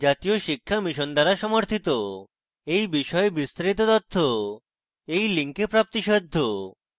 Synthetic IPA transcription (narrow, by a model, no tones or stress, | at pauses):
d͡ʑat̪ijoʃikʰːamiʃond̪aɾaʃɔmoɾt̪ʰit̪o | ejbiʃɔebist̪aɾit̪̬ot̪ɔt̪ʰːo | ejliŋkepɾap̚t̪iʃɔd̪ʱːo